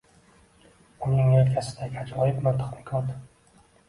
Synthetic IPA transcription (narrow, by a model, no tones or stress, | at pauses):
ʊnɪŋelkʲʰasɪ̥d̪akʲad͡ʒɒjɪbmant̪ʰḁχnɪkʲʰɒɾd̪ɪ